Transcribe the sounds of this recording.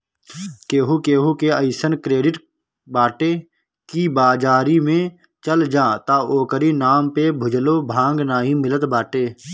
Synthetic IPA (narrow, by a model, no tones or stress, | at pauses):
keːɦukeːɦukeəɪsənkɾeːɖɪʈ | baːʈeː | kibaːd͡ʒaːɾimẽ | t͡ʃəld͡ʒãːt̪aːoːkəɾinaːmpebʱʊd͡ʒloːbʱãːŋɡnaːɦimɪlət̪baːʈeː